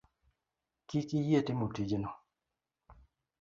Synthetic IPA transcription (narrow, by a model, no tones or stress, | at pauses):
kikijietimutid͡ʒenɔ